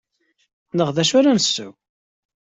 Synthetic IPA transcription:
nəʁðæʃʊɾænəsːʊ̰w

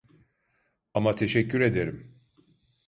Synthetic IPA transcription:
amat̪ʰe̞ʃɛcʰːyɾe̞d̪eɾim

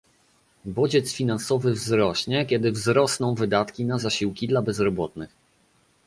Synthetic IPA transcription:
bɔd͡ʑɛt̪sfʲinansɔvɘvzɾɔɕɲɛkʲɛd̪ɘvzɾɔsnɔ̃w̃vɘd̪at̪kʲinazaɕiwkʲid̪labɛzɾɔbɔt̪nɘx

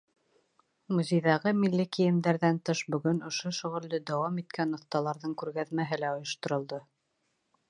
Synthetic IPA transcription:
muzʲejðɑʁɤmilːikijɘ̆md̪æɾðænt̪ɤʃbɵ̆ɡɵnŏʃoʃɵ̆ʁɵ̆ld̪ɵd̪æwɑmit̪kʰænŏθt̪ɑlˠɑɾðɤŋkʉɾɡæðmæɦɘlæŏjŏʃt̪ŏɾŏlˠd̪ɤ

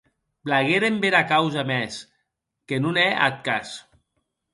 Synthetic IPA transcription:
blaɣeɾembeɾakawzamɛs | kenunɛʔa̰t̪̚kas

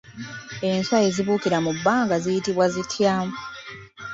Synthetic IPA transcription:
e̞nswajeziβuːkiɾamubːaːŋɡazijitiβwazitʰjaːmu

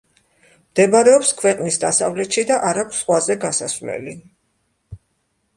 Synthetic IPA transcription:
md̪̥ɛbaɾɛɔpskʰwɛqʼnisd̪asavlɛt̪ʃid̪aʔaɾakʷʰsːχwazɛɡasasvlɛ̰li

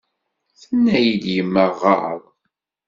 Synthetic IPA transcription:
θənːæjid̪jəmːəʁɑ̰ə̰w

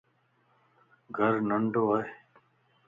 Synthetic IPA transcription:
ɡʱəɾnəɳɖoae

